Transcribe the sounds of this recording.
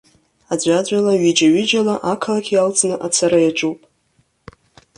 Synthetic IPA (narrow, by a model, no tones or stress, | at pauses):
ad͡ʒʷad͡ʒʷalaɥid͡ʒaɥid͡ʒalaʔakʰalakʲʰjalt͡sʼnɨʔat͡sʰaɾajaʈ͡ʂʼuwpʼ